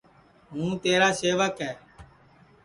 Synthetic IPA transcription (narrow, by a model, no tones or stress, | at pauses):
ɦũːt̪eːɾaːseːʋəkɦɛː